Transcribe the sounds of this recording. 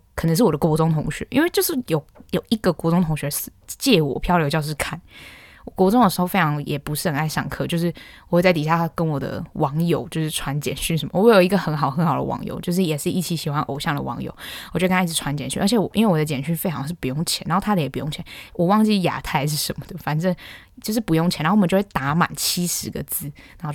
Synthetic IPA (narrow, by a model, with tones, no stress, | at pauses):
kʰə˨˩nə˧˥ŋʂɻ̩˥˩wɔ˨˩d̪ə˧ko˧˥ʊt͡sʊ˥ŋt̪ʰʊ˧˥ŋɕɥɛ̰˧˥˦ʔḭ˥nwe˥˧ɪt͡ɕjo˥˧ʊʂɻ̩˥˩jo˨˩ʊjo˨˩ʊi˧˥ɡə˨kwɔ˧˥t͡sʊ˥ŋt̪ʰʊ˧˥ŋɕɥɛ˧s̩˥t͡ɕjɛ˥˩wɔ̰˨˩pʰjɑ˥˧ʊljo˧˥ʊt͡ɕjʊʂ̬̩˥˧kʰa˥˩nwɔ˨˩kɔ˧˥t͡sʊ˥ŋə˩ʂɻ̩˧˥xo˥˧fe˥ɪʈ͡ʂʰɑ˧˥ŋjɛ˨˩pu˧ʂɻ̩˥˩ə˨˩na˥˩ɪɕɑ̰˥˨˩ŋkʰɤ˥˧t͡ɕjo˥˧ʊʂ̬ɻ̩˥˩wɔ˨˩xwɪt͡sa˥˩ɪt̪i˨˩ɕja˥˧a˥kə˦nwɔ˨˩d̪ə̰˦wʔɑ˧˥ŋjo˨˩ʊt͡ɕjo˥˧ʊʂ̩˥˩ʈ͡ʂʰwa˧˥nt͡ɕjɛ̰˨˩nɕy˥nʂ̬ə˧˥nmə˧wwe˥˩jo˨˩ʊi˧˥ɡə˧xə˧˥nxɑ˨˩ʊxə˧˥nxɑ˨˩ʊd̪ə̰˧˦wɑ̰˧˥ŋjo̰˨˩˦ʊt͡ɕjo˥˧ʊʂ̬ɻ̩˥˩jɛ˨˩ʂɻ̩˥˧i˥˩t͡ɕʰi˧˥ɕi˨˩xwa˦˥nʔo̰˨˩ʊɕjɑ˥˩ŋd̪ə̰˨˩wɑ̰˧˥ŋjo̰˨˩˦ʊwɔ˨˩t͡ɕo˧˥˧kna˥˩ɻ̩ʰ˧˥wa˧˦nt͡ɕjɛ˨˩nɕy˥˧ʔə˞˧˥t͡ɕʰɛ˨˩wɔ˨˩i˥nwe˥˩wɔ˨˩d̪ə˧t͡ɕjɛ˨˩nɕy˥˧fe˥ɪɑ˧˥ŋʂ̬̩˥˩pu˧˥jo˥˩ŋt͡ɕʰjɛ̰˨˦na˧˦xo˥˧˩a˥ə˨jɛ˨˩pu˧˥jʊ˥˧ŋt͡ɕʰɛ˧˦nwʔɔ˨˩wɑ˥˧ŋt͡ɕi˥˩ja̰˨˩t̪ʰa˥˩ɪʂ̬ɻ̩˥˩ʂə˧˦nmə˨˩d̪ə˩fa˨˩nʈ͡ʂə˥˧ŋ | t͡ɕjo˥˧ʊʂ̬ɻ̩˥˩pu˧˥jo˥˩ŋt͡ɕʰn̩˨˧˥t͡ɕjwe˥ɪt̪a˧˥˦ma̰˨˩nt͡ɕʰi˥ʂɻ̩˧˥ɡə̰˧˨t͡sɹ̩˥˩na˨˦xo˥˧˩